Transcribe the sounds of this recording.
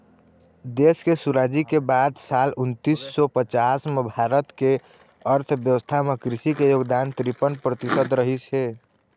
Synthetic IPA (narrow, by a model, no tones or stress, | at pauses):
d̪eskesuɾad͡ʒikebaːd̪saːlʊnt̪isːɔpət͡ʃasmebʱaːɾət̪ke | əɾt̪ʰbjəwəst̪ʰamekɾɪsikejoːɡd̪ant̪ɾipənpɾət̪ɪsəd̪ɾəɦit͡ʃɦeː